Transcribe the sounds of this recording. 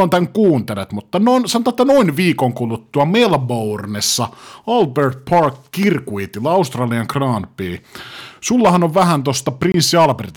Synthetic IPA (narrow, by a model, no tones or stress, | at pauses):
ont̪æŋkuːnt̪elet̪mut̪ːɑnonsɑnot̪ɑet̪ːænoinʋiːkoŋkulut̪ːuɑmelbournesːɑɑlbert̪̚pʰɑrkːirkuit̪ilːɑɑust̪rɑːliɑŋkrɑːnpiːsulːɑhɑnoʋʋæhænt̪ost̪ɑprinsːiɑlperit̪